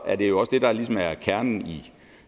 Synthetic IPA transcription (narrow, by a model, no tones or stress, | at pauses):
æɐd̥e̝jo̝ɒ̽sd̥e̝d̥ɑ̈lis̬ɒmæɐkʰæɐnn̩i